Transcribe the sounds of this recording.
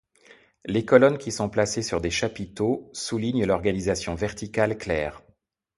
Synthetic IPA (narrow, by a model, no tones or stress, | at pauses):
lekɔlɔnkʲisɔ̃plasesyʁd̪eʃapit̪osuliɲlɔʁɡanizasjɔ̃vɛʁt̪ikalklɛːʁ